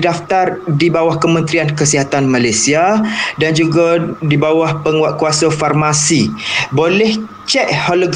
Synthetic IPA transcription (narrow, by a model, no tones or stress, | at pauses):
daft̪ardibawahkəmə̃nt̪ɾiankəsiɦat̪anmalajsiadand͡ʒuɡadibawahpəŋaʔkuasafarmasibolɛh | t͡ʃɛʔ̚hɔləɡ